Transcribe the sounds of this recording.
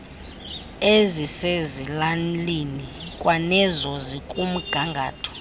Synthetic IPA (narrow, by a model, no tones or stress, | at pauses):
ezisezilanlinikʼwanɛzɔzikʼum̩ɡ̥ʱaŋɡʱa̰ːtʰɔ̥